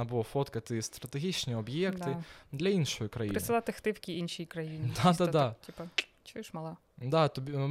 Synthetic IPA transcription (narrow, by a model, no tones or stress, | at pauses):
abʊlˠafɔt̪kɐt̪ɨst̪ɾɐt̪eɦʲit͡ʃnʲiɔbjɛkt̪ɪd̪lʲɐinʃɔjʊkɾɐjipːɾɪsɨlˠat̪ɪxt̪ɪwkʲiinʃijkɾɐjinʲɪd̪asad̪atʲipɐ | t͡ʃuʃmɐlˠɑ | d̪at̪ɔbʲi